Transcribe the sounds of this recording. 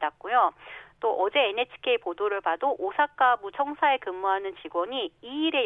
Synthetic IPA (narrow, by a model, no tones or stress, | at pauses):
dak̚k͈ujot͈oʔʌd͡ʑe̞ːnet͡ɕʰi̥kʰe̞ipodoɾɯɭpadoʔosʰak͈abut͡ɕʰʌŋsʰae̞kɯmːuɦanɯnt͡ɕiɡwʌɲiiːɾe̞